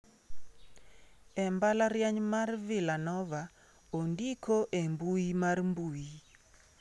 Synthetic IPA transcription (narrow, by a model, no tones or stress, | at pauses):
ɛmbalaɾjaɲmarvɪlanɔva | ondikʰoʔembuimarmbuji